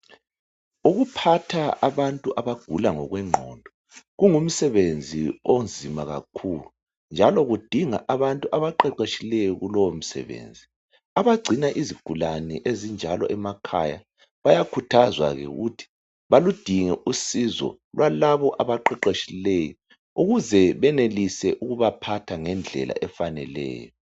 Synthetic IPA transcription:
uɣupʰatʰaaβantʼuʔaβaɡ̥ʱulaŋɔ̰ɣwɛŋ͡ǃʱɔ̰ndʱɔ | ɣuŋum̩sɛβend͡zʱḭond͡zʱimaɣa̰kʰuːlu | nd͡ʒʱalɔɣud̥ʱiŋa̰ʔaβantʼuʔaβaǃɛǃeʃilɛjɔɣulɔwom̩sɛ̰βḛːnd͡zʱi | aβaɡ͡ǀʱinaʔiziɡ̥ʱulanɛʔezind͡ʒʱalɔ̰ʔɛmakʰa̰ja̰ | βajakʰutʰazwa̰ɣɛ̰ɣutʰi̥ | βalud̥ʱiŋɛʔusizɔ̰ | lwʔalaβɔʔaβaǃɛǃeʃilɛjɔ | uɣuzɛβɛnelisɛʔuɣuβapʰatʰaŋɛnd͡ɮʱɛ̰lʔa̰ʔɛfanɛlɛ̰ːjɔ

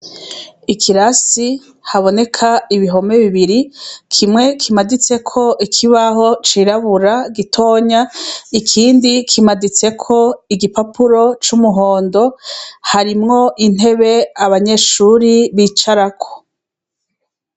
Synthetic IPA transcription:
ikʰiɾasi | haβo̞ne̞kʰaiβiɦo̞me̞βiβiɾikʰimŋe̞kʰimadit͡se̞kʰo̞ʔikʰiβaɦo̞t͡ʃiɾaβuɾaɡitʰo̞ːɲaikʰiːndikʰimadit͡se̞kʰo̞iɡipapuɾo̞t͡ʃumuɦo̞ːndo̞haɾimŋo̞ʔin̥e̞βe̞aβaɲe̞ʃuɾiβit͡ʃaɾakʰo̥

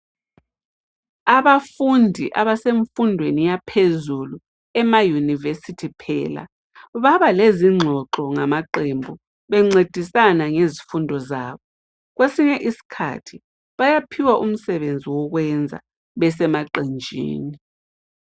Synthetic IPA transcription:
aβafundʱiʔaβaseɱfundʱwenijapʰezulu | ɛmajunivesitʰipʰɛ̰ːla̰ | βaβaleziŋ͡ǁʱɔǁɔŋamaǃembʱu | βɛŋ͡ǀed̥ʱisanaŋezifundʱɔza̰ːβɔ | ɣwesiɲɛʔisi̥kʰa̰tʰi | βajapʰiwaʔum̩sɛβend͡zʱiwɔɣwɛnd͡zʱa̰ | βɛsɛmaǃend͡ʒʱḭːni

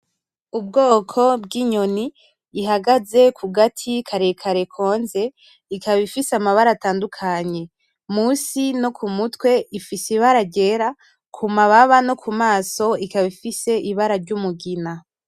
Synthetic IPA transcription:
ubɡo̞ːkʰo̞bɡiɲo̞niː | ɦaɡaze̞kʰuɡatʰikʰaɾe̞kʰaɾe̞kʰo̞ːnze̞ | ikaβifisamaβaɾataːndukʰaɲe̞ | muːsino̞kʰumutwe̞ʔifisiβaɾaɟe̞ɾa | kʰumaβaβano̞kʰumaːso̞ikaβifise̞ʔiβaɾaɾɟumuɡina

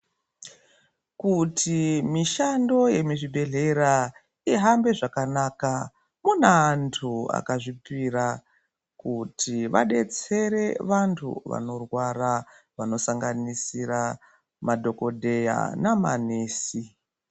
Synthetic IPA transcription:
kutʰimiʃando̞je̞miʐibʱe̞ɮe̞ɾa | iɦambe̞ʐakanaka | munantʰua̰kaʐipiɾa | kutʰiʋa̰ɗe̞t͡se̞ɾe̞ʋantʰṵʋa̰no̞rwara | ʋano̞saŋɡanisiɾa | madʱo̞ko̞dʱe̞ja̰nama̰neːsi

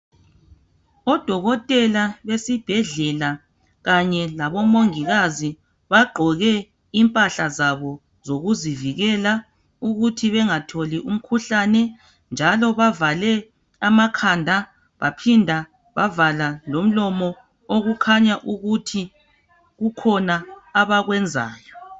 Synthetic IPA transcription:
ɔd̥ʱɔɣɔtʼɛlaβesib̥ʱɛɮɛla | ɣaɲɛlaβɔmoŋiɣazi | βaɡ͡ǃʱɔɣɛ | impʼaɬazaβɔ | zoɣuziviɣɛla | uɣutʰiβɛŋatʰoliʔum̩kʰuɬanɛ | nd͡ʒʱalɔβavalɛ | amakʰandʱa | βapʰindʱa | βavalalom̩lɔmɔ | oɣukʰaɲaʔuɣutʰi | ɣukʰɔnaːβaɣwɛnd͡zʱa̰ːjɔ

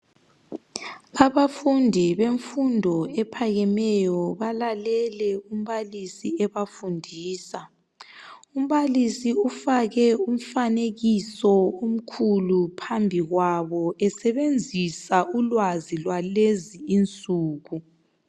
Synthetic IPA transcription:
aβafundʱiβeɱfundʱɔɛpʰaɣɛmɛjɔβalalɛlɛum̩βalisiɛβafundʱiːsa | um̩βalisiufaɣɛum̩faneɣisɔom̩kʰulupʰambʱiɣwaβɔʔɛsɛβend͡zʱisaulwazilwaleziint͡sʼuːɣu

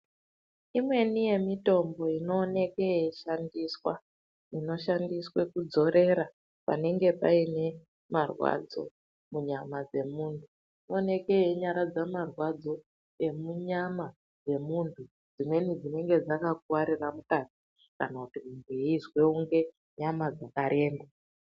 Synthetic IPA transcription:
imwe̞nije̞mito̞mbo̞ino̞ːne̞keeʃandiswa | ino̞ʃandiswe̞kud͡zo̞ɾe̞ɾa | pa̰ne̞ŋɡe̞paine̞ | marwa̰d͡zo̞̰ | muɲamad͡ze̞muːntʰu | ino̞ːne̞keeɲaɾad͡zamarwad͡zo̞ | e̞muɲama | d͡ze̞muntʰu | d͡zimwe̞nid͡zine̞ŋɡe̞d͡zakak̚uwaɾiramukazi | kanakutimumbuiizwe̞uŋɡe̞ | ɲamad͡zakaɾʔe̞ːmba

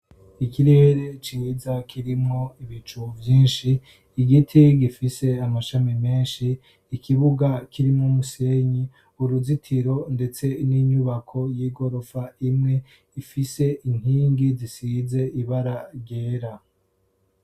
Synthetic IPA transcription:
ikiɾe̞ɾe̞t͡ʃizakiɾimŋo̞iβit͡ʃuvjiːnʃiː | ɡitʰiɡifise̞amaʃamime̞ːnʃiː | kʰiβuɡakʰiɾimŋomuse̞ɲi | uɾuzitʰiɾo̞nde̞t͡se̞niɲuβakʰo̞jiːɡo̞ɾofaimŋe̞ | ifise̞ʔiŋ̥hiːŋɡizisiːze̞iβaɾaɾɟeːɾa

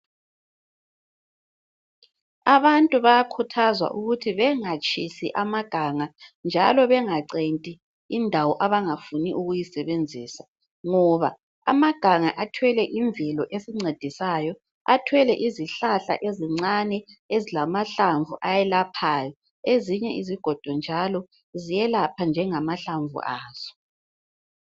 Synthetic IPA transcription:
aβantʼuβajakʰutʰazwa̰ʔuɣutʰiβɛŋat͡ʃʼisiʔamaɡ̥ʱaːŋand͡ʒʱa̰lɔβɛŋaǀentʼiː | ndʱawɔʔaβaŋafuniʔuɣujisɛβend͡zʱiːsa | ŋɔβa | a̰maɡ̥ʱaŋaʔatʰwɛlɛʔiɱbvɛlɔʔesiŋ͡ǀed̥ʱisaːjɔ | a̰tʰwɛlɛʔiziɬaɬa̰ʔeziŋ͡ǀanɛezilamaɬaɱvʱuʔajɛlapʰaːjɔ | eziɲɛʔiziɡ̥ʱɔd̥ʱɔnd͡ʒʱalɔ | zijɛlapʰand͡ʒʱɛŋamaɬaɱvṵʔaːz̥ɔ̥

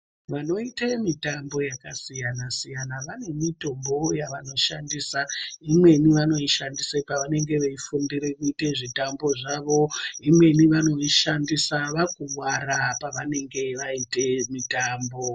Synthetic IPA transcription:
ʋano̞itemitambo̞jakasijanasijanaʋane̞mito̞mbo̞jaʋano̞ʃandisaimwe̞niʋano̞iʃandisepaʋane̞ŋɡe̞ʋeifundire̞kuiteʐitambo̞ʐaʋo̞imwe̞niʋano̞iʃandisaʋakuwwaɾapaʋane̞ŋɡe̞ʋaite̞mitaːmbo̞

